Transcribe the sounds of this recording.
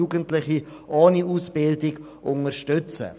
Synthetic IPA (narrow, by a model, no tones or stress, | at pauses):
uːɡəntlɪχi | ʔɔːniuːsb̥ɪldɪɡ | ʔʊŋəʃtʏt͡sə̰